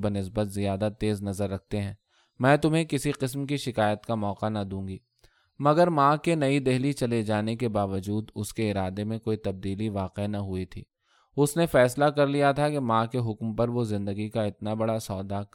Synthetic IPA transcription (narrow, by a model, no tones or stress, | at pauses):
bənɪs̬bət̪zijaːd̪at̪eːznɐzəɾːɐk̚t̪eɦɛ̃ː | mɛ̃ːt̪ʊmɦẽkɪsiqɪs̬mkiʃɪkaːjət̪kamɔːqanɐd̪ũːŋɡiː | mɐɡəɾmãːkenɐid̪ɛɦlit͡ʃɐled͡ʒaːnekebaːʋəd͡ʒuːd̪ʊskeɪɾaːd̪emẽkoːit̪ɐb̚d̪iːliʋaːqenɐɦʊit̪ʰḭː | ʊsnefɛːslakɐɾlijat̪ʰakemãːkeɦʊkmpɐɾʋozɪ̃nd̪əɡikaɪt̪nabɐɽasɔːd̪a